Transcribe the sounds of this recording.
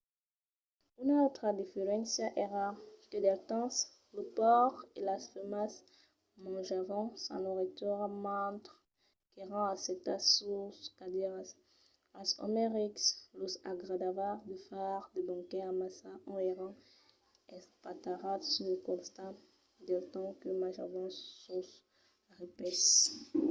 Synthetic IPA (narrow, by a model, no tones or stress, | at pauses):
ynot̪ʁad̪ifeʁɛ̃nsjaʔeʁaked̪ɛlt̪ɑ̃s | ləpɔʁelasfemas | mɑ̃ʒavɔ̃sɑ̰̃loʁet̪ɔʁamɑ̃t̪ʁ | keʁɑ̃aset̪asuskad̪iʁas | asɔ̰meʁikslosa̰ɡʁad̪avaʁd̪əfaʁd̪əbɔ̃kɛ̃amasaʔɔ̃eʁɑ̃ | ɛ̃spat̪aʁasuləkɔ̃st̪a | d̪ɛlt̪ɑ̃kəmãʒavɔ̃sːus | ʁepɛs